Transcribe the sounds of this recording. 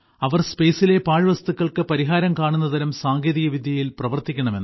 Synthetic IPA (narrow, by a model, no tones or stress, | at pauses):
ɐʋɐrspe̞ːsile̞paːɻɨʋɐst̪ukːɐɭkɨpɐɾiɦaːɾɐmkaːɳunːɐt̪ɐɾɐmsaːŋɡeðiɣɐʋid̪ʱjɐjilprɐʋɐrt̪ikʲːɐɳɐme̞nː